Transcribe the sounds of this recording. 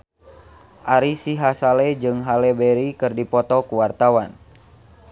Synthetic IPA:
ʔaɾisiɦasalɛd͡ʒɨŋɦalɛbɛɾikɨrdipɔt̪ɔkuwart̪awan

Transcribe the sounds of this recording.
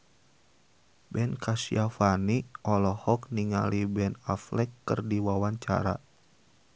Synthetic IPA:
bɛnkasiafaniʔɔlɔhɔk̚niŋalibɛnaflɛkːɨ̰rdiwawaɲt͡ʃa̰ɾa̰

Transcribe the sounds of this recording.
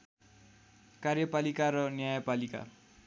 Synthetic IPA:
karjʌpalikaɾʌnjajapalika̰

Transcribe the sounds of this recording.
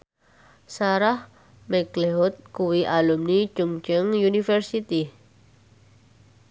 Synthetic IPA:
saɾah | mɛɡ̥leɦut̪̚kuwiʔalumni̥d͡ʒ̥uŋd͡ʒəŋjunifɛrsit̪i

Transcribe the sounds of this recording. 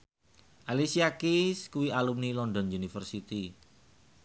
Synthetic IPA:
ʔalisiakiskuwialumnilɔnd̪ɔ̤nunifərsit̪i

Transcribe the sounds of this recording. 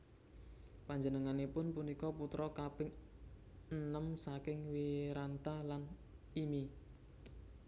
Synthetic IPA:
paɲd͡ʒənəŋanepʊnpunikɔput̪ɾɔkapɪŋ | ənəmsakɪŋwiɾant̪ahlan | imi

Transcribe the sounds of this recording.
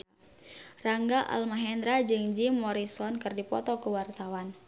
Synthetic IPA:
raŋɡaʔa̰lmaɦɛnd̪ɾad͡ʒɨŋd͡ʒimɔɾisɔnkɨrdipɔ̰t̪ɔkuwart̪awan

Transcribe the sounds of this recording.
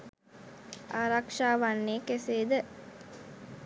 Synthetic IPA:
aːɾakʂaːʋanːeːkeseːd̪ə

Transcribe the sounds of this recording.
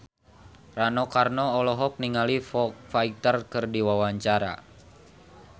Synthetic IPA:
ranɔkarnɔːlɔɦɔk̚niŋalifɔkfait̪ərkɨrdiwawaɲt͡ʃaɾa̰

